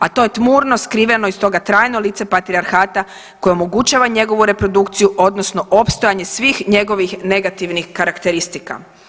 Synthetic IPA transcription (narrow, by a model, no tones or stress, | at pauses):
at̪o̞jet̪muːɾno̞skɾiːʋe̞no̞ist̪o̞ɡat̪ɾaːjno̞lit̪se̞pat̪ɾiaɾxaːt̪a | ko̞jeomo̞ɡut͡ʃaːʋaɲe̞ɡo̞ʋuɾe̞pɾo̞d̪ukt̪sijuʔo̞d̪nosno̞ʔo̞pst̪o̞jaɲe̞sʋiːxɲe̞ɡo̞ʋixne̞ɡat̪iʋnixkaɾakt̪e̞ɾist̪ika̰